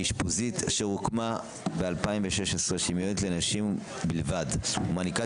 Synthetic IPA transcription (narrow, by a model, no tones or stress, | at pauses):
iʃpuzitʃeʁukma | bealpaimveʃeʃesʁeʃimiotlenaʃim | bilvadomanika